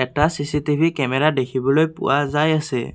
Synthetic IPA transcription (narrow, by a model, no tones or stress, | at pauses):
ɛtasisitibʱikɛmɛɾadekʰibɔlojpṵwazajasɛ̰